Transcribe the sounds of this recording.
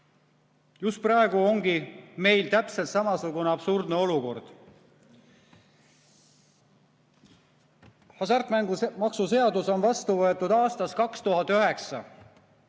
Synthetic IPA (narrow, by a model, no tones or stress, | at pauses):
just̪̚prɑeɡ̥uo̞ŋɡime̞jlt̪æpse̞lt̪sɑmɑsuɡuneɑb̥surd̪neo̞luko̞̰rd̪̥ | hɑs̬ɑrt̪ˑmæŋɡ̥umɑksuse̞ɑd̪uso̞nvɑst̪uvɤe̞t̪ːˑud̪ɑːst̪ɑskɑkst̪uɦɑt̪ːˑyɦe̞ksɑ